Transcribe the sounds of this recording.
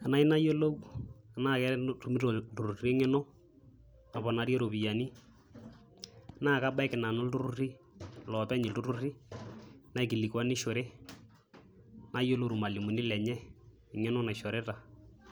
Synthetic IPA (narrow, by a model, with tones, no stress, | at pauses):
a˨na˦i˦na˦jo˦lo˦u˦a˨na˦˨kɛ˦ɾɛ˦tu˦mi˦ɾo˨tu˨ɾu˨re˦ŋɛ˦no˦ | na˨βɔ˨na˨˦ɾe˦ɾo˨βi˨ja˨ni˦ | a˨na˦˨ka˦ba˦ɛ˦kɪ˨na˨no˦ltu˦ɾu˦ri˦ | lɔ˨pɛ˦ɲi˨ltu˦ɾu˦ri˦ | na˨i˨ki˨li˨kwa˦ni˦ʃo˨ɾe˦ | na˦jo˦lo˦ɾu˨ma˨li˨mu˨ni˦lɛ˨ɲɛ˦ | ɪ˨ŋe˦no˦na˨ʃɔ˨ɾɛ˦ta˨